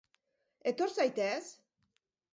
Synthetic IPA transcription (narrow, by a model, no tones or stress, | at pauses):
e̞t̪o̞ɾsajt̪es